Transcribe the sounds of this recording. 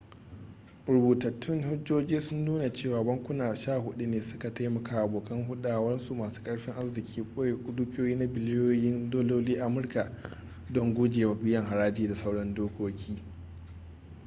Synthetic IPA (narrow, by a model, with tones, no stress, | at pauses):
ɾʊ˨buː˨tɐ˨tːɪ˦ŋhʊ˦d͡ʒoː˦d͡ʒiː˦sʊ˦nːuː˦na˨t͡ʃeː˦˨waː˨bɐ˦ŋkʷʊ˦naː˨ʃaː˦˨hʊ˦ɗu˦neː˨sʊ̥˦ka˨ta˦jmɐ˨kaː˨ʔa˨boː˨kɐ˦ŋɦʊ˦ɗaː˨wɐ˦nsu˨maː˨su̥ː˦kʼɐ˦ɽɸɪ˦ŋʔa˦zɪ˨kʲʰiː˦kʷʼoː˦je˨kʷʊ˦dʊ˦kʲʼoː˦jiː˦na˦bɪ˨lɪ˦joː˦jɪ˦ndoː˦loː˦liː˦ʔa˨mʊ˦rka˨ | dɔ˦ŋɡʷʊ˦d͡ʒeː˨wa˨bɪ˦jɐ˨ŋɦa˨ɽaː˦d͡ʒiː˦da˨sa˦wɽɐ˦ndoː˦kʷoː˦kʲʰiː˦